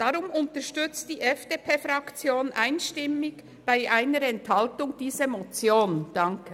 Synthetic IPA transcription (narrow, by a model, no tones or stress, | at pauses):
d̥ɑɾʊmʊntəɾʃtʏt͡std̥iːʔɛfd̥eːpʰeːfɾɑkt͡sjoːnʔaɪnʃtɪmɪɡ | b̥aɪʔaɪnəɾɛnthɑltʊŋd̥iːzəmɔt͡sjoːnd̥ɑŋkʰə